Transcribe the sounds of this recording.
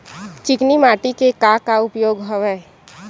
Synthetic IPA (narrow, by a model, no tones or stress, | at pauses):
t͡ʃɪknimaːʈikekakaʊpjoːɡɦoʋɛ